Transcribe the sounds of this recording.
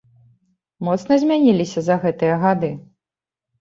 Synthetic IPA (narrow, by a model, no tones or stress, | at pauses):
mɔt̪snɐzʲmʲanʲilʲisʲɐzɐɣɛt̪ɨjɐɣad̪ɨ